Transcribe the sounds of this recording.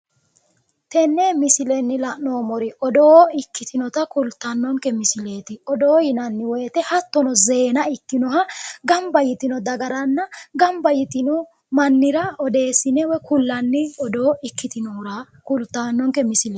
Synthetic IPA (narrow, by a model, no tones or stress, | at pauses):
t̪ɛnːɛmɪsɪlɛnːɪlɐʔnoːmɔɾɪɔd̪oːɪkːɪt̪ʰɪnɔt̪ɐkʊlt̪ːɐnːɔŋkɛmɪsɪle̞ːt̪ɪɔd̪oːjɪnɐnːɪwɛjːt̪ɛhɐt̪ːɔnɔzeːnɐɪkːɪnɔɦɐɡɐmbɐjɪt̪ɪnɔd̪ɐɡɐɾɐnːɐɡɐmbɐjɪt̪ɪnɔ | mɐnːɪɾɐɔd̪e̞ːsːɪnɛwɔkʊlːɐnːɪɔd̪oːɪkːɪt̪ɪnɔɾɐ | kʊlt̪ːanːɔŋkɛmɪsɪle